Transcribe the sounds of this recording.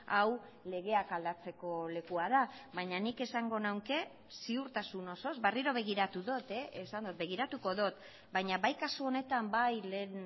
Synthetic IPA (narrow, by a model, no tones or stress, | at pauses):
aw | le̞ɣ̞e̞akald̪at͡se̞ko̞le̞kuaðaβaɲanike̞saŋɡo̞nawŋke̞ | siuɾt̪asuno̞so̞zbariɾo̞β̞e̞ɣ̞iɾat̪uðo̞t̪eesand̪ot̪̚be̞ɣ̞iɾat̪uko̞ðo̞t̪ | bajɲaβajkasuo̞ne̞t̪ambajlen